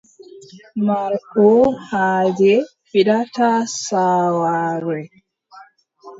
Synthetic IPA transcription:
maɾkuhaːd͡ʒɛ | pidatasaːwaːɾɛ

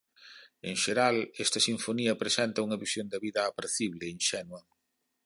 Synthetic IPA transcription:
eŋʃeɾalɛst̪ɐsiɱfoniɐpɾesɛnt̪ɐuŋɐβisjond̪ɐβiðɐːpaɾθiβlɪinʃɛnwɐ

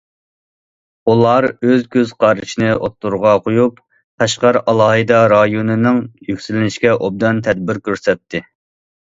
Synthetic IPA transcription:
ulˠɑɾøzkʲʰøzqʰɑɾɨʃinɨʔot̪ːuɾʁɑqʰojup | pʰɛʃqɑɾɑlˠɑːɦɨd̪ɑɾɑjonɨnɪŋjykʲsylɪnɪʃkʲɛʔob̚d̪ɑnt̪ʰɛd̪̚bɪɾkʲʰøɾsɛt̪ʰːɪ

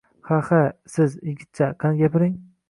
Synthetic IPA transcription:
hahasɪzjɪɡʲɪt̪̚t͡ʃʰaqʰanɡʲapʰɪɾɪŋ

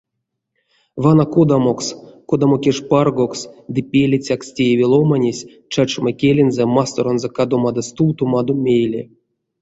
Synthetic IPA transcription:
vanakod̪amokskod̪amokʲeʂparɡoksd̪ɨpʲelʲit͡sʲakstʲejevʲilˠomanʲesʲ | t͡ʃat͡ʃmakʲelʲenzɛmast̪oɾonzokad̪omad̪ast̪uwt̪umad̪omʲejlʲḛ

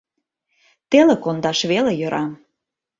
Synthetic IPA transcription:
t̪elekond̪ɑʃβelejø̆ɾʔɑm

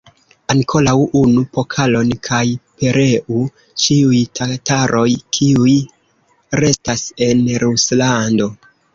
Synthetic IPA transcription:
aŋkʰo̞lawʔunupo̞kʰalo̞nkʰajpe̞ɾe̞ʔu | t͡ʃiujtʰataɾʔo̞jkʰiuj | ɾe̞stase̞nɾuslando̞

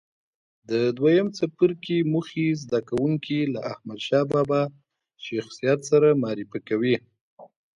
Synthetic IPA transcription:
d̪əd̪wajamt͡sapəɾkimuxizd̪akawuŋkilaʔahmad̪ʃɑbɑbɑ | ʃaxsijat̪saɾamɑɾifəkawi

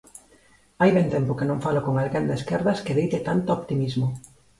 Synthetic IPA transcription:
ajβent̪ɛmpʊkenõŋfalokoŋalɣend̪eskɛɾðɐskeðejt̪et̪ant̪oɔpt̪imizmʊ

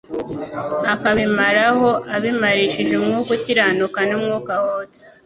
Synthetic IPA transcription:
akaβimaɾaho̞aβimaɾiʃiʒemŋuːkuciɾanukanimŋuːkahot͡se̥

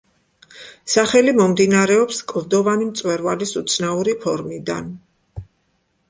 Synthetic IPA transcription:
saχɛlimɔmd̪inaɾɛɔpskʼvd̪ɔvanimt̪sʼwɛɾvalisut̪sʰnauɾipʰɔɾmid̪a̰n

